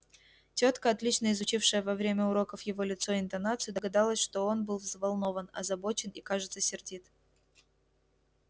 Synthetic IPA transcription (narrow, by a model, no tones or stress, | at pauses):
tʲot̪kəɐt̪lʲit͡ɕnəɪzʊt͡ɕifʂəjəvɐvɾʲemʲəʊɾo̞kəfjɪvo̞lʲɪt̪so̞ɪnt̪ɐnat̪sɨjɪd̪əɡɐd̪alˠəsʲʂt̪o̞o̞nbɨlˠvzvɐlˠno̞vənɐ̰zɐbo̞t͡ɕɪnikaʐɨt̪səsʲɪrdʲit̪